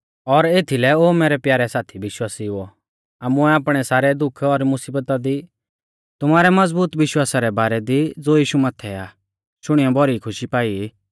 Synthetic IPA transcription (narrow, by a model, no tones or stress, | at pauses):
ɔɾeːt̪ʰilɛoːmɛːɾɛpjaːɾɛsaːt̪ʰiʋɪʃwaːsiɦʊɔ | aːmũɛaːpɽ̃ɛsaːɾɛd̪ʊkʰɔɾmʊsiːbət̪ad̪i | t̪ʊmaːɾɛmɐd͡zbuːt̪ʋɪʃwaːsaɾɛbaːɾɛd̪id͡zoːjiːʃumaːt̪ʰɛaː | ʃʊɽ̃ijɔbʱɔɾikʰʊʃipaːi